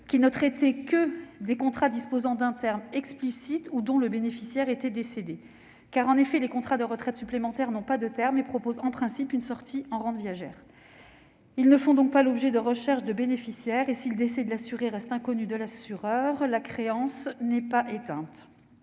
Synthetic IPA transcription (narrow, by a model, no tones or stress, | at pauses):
kʲinət̪χet̪ekəd̪ekɔ̃t̪χad̪ispozɑ̃d̪ɛ̃t̪ɛʁmɛksplisit̪ud̪ɔ̃ləbenefisjɛʁet̪ɛd̪esed̪e | kaʁɑ̃nefɛlekɔ̃t̪χad̪əʁət̪χɛt̪syplemɑ̃t̪ɛʁnɔ̃pad̪ət̪ɛʁmepχɔpozɑ̃pχɛ̃sipynsɔʁt̪ʰiɑ̃ʁɑ̃d̪vijaʒɛːʁ | ilnəfɔ̃d̪ɔ̃k̚palɔbʒɛd̪əʁəʃɛʁʃd̪əbenefisjɛʁesild̪esɛd̪əlasyʁeʁɛst̪ɛ̃kɔnyd̪əlasyʁœʁlakχeɑ̃snɛpaʔet̪ɛ̃t̪